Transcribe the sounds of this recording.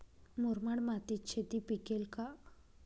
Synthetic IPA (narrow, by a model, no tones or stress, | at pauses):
muɾmaɽmat̪it͡ɕʰed̪ipikelka